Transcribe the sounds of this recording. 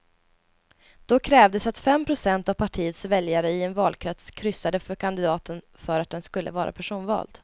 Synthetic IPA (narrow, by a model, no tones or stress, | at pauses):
d̪̥ɔkʰɾɛːvd̪əsat̪fɛmpʰɾʊsɛnt̪avpʰaʈʰiːət̪svɛljaɾəɪɛnvɑːlkʰɾɛt̪skʰɾʏsːad̪əfœɾkʰand̪ɪd̪ɑːt̪ən | fœɾat̪̚d̪ɛnskɵlːə̰vɑːɾʔa̰pʰæʂuːnvɑ̰ːld̪̥